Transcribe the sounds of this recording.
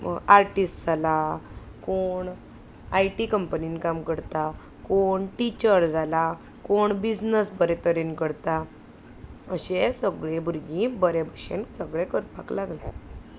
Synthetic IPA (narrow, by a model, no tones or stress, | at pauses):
aɾʈisʈd͡zʱala | koɳ | ajʈikəmpəninkamkəɾt̪a | koɳʈit͡ɕəɾd͡zʱala | koɳbid͡znəsbəɾɛ̃t̪əɾinkəɾt̪a | əɕesəɡɭẽbʱuɾɡĩbəɾebʱəɕḛnsəɡɭẽkəɾpa̰klaɡla